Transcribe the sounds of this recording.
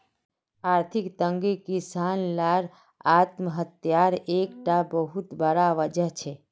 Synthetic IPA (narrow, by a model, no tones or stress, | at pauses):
aːɾt̪ʰikt̪ə̃ŋɡekisanlaɾ | at̪məɦət̪jaɾekʈabəɦut̪bəɾaʋəd͡ʒəɦt͡ʃʰe